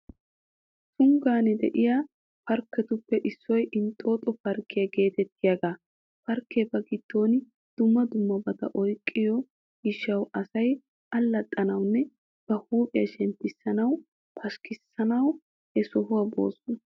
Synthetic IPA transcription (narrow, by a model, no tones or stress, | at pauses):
sʊŋɡaːnɛd̪ɛ̰ʔɪjaː | fɐɾkːɛt̪ʊpːɛʔɪsːɔjʔɪnt̪ʼo̞ːt̪ʼɔfɐɾkːɪjɐɡe̞ːt̪ɛt̪ʰːɪjaɡaː | fɐɾkːeːbɐɡɪt̪ːo̞ːn | d̪̥ʊmːɐd̪ʊmːɐbɐt̪ɐ̰ʔɔjkʼːɪjɔ | ɪʃɐwɐsɐj | ʔɐlːɐt̪ʼːɐnɐwnːɛ | b̥ɐhuːpʼɪjɐʃɛnt̪ːɪsːɐnɐw | pʰɐʃkɪsːɐnɐw | hɛsɔɦʊwɐbo̞̰ːsʊn